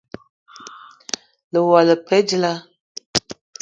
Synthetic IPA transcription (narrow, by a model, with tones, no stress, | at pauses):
lə˨wa˨lə˨pʰɛ˦d͡ʒi˦la˦